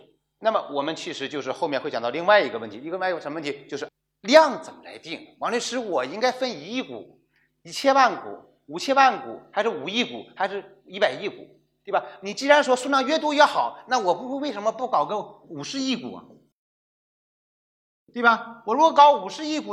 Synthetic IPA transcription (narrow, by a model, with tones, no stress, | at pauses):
na˥˩mə˩wɔ˨˩mə˦nt͡ɕʰi˧˥˩ʂɻ̩˧˥t͡ɕjo˥˧ʊʂɻ̩˧xo˥˧mjɛ˥˧nxwt͡ɕɑ˨˩t̪ɑ˥˧li˥˧ŋwa˥˩ɪi˧˥ɡə˧wə˥˩nt̪ʰi˧˥i˥˧˥ʂə˧˥m˧ə˥˩t̪ʰi˧˥t͡ɕjo˥˧ʂɻ̩˥˩ | ljɑ˥˩ŋt͡sə˨˩mə˦la̰˧˥ɪt̪i˥˩ŋwɑ˧˥ŋnlɛ˧˥ʂɻ̩˧˥wɔ˨˩i˥ŋka˥ɪfə˥˧˩ni˧˥i˥˩kṵ˨˩˦ | i˧˩t͡ɕʰjɛ˥nwa˥˩nkṵ˨˩˦ | u˨˩t͡ɕʰjɛ˥nwa˥˩nkṵ˨˩˦xa˧˥ʂɻ̩˥˩u˨˩i˥˩kṵ˨˩˦xa˧˥ɪʂɻ̩˥˩ | i˧˥pa˨˩ɪi˥˩kṵ˨˩˦ | t̪we˥˩bɐ˩ni˨˩t͡ɕi˥ɻa˧˥nʂwɔ˥ʂu˥˧nʂɑ˥˧ŋɥɛ˥˩t̪̬wɔ˥ɥɛ˥xɑ˨˩˦ʊna˥˩wɔ˨˩pu˧˥xwe˥˧˥we˥˩ɪʂə˧˥mə˧pu˥˩kɑ˨˩ʊɡə˥u˨˩ʂɻ̩˧˥i˥˩kṵ˨˩ɐ̰˦ | t̪we˥˩ɪbɐ˩wɔ˨˩ɻu˥ɡɔ˧kɑ˧˥ʊu˨˩ʂɻ̩˧˥i˥˩ku˨˩